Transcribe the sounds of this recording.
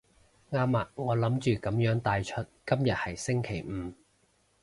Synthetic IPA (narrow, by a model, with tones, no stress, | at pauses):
ŋaː˧˥mːaː˨t̚ŋɔː˨˧lɐ˨˥mt͡ʃyː˨kɐ˨˥mjœː˨˥ŋt̪aː˨˧jt͡ʃʰɵ˥t̚kɐ˥mjɐ˨t̚hɐ˨jsɪ˥ŋkʰe˨˩jm̩ː˨˧